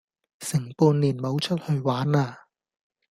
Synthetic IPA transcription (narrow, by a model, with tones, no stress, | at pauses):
sɪ˨˩ŋpuː˧nliː˨˩nmo˨˧wt͡ʃʰɵ˥t̚hɵ˧ɥwaː˨˥naː˧